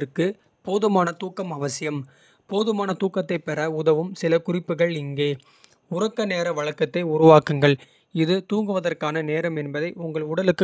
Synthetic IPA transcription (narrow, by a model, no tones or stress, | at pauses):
ɾkːɯ | poːðɯmaːnɐt̪uːkːɐmɐʋɐsɪjɐm | poːðɯmaːnɐt̪uːkːɐt̪ːɐɪpɛɾɐʊðɐʋɯmsɪlɐkʊrɪpːɯɣɐɭɪŋɡeː | ʊɾrɐkːɐneːɾɐʋɐɭɐkːɐt̪ːɐɪʊɾʊʋaːkɯŋɡɐɭ | ɪðɯt̪uːŋɡɯʋɐðɐrkaːnɐneːɾɐmɛnbɐðɐɪʔʊŋɡɐɭʊɽɐlɯkːɯ